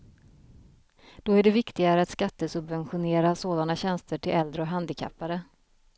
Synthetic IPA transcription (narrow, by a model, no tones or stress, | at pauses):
d̪̥ɔæɖɛvɪkt̪ɪɡaɾəat̪skat̪ːəsɵbvɛnɧʊneːɾasoːd̪anaɕɛnst̪əʈʰɪlɛld̪ɾəɔɦand̪ɪkʰa̰pːaɾə